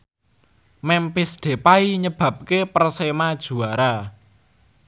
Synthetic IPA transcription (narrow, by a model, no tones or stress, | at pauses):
mɛmpɪsɖ̪̥e̤paiɲəb̥ä̤p̚kepərsemad̥ʒ̥ṳaɾa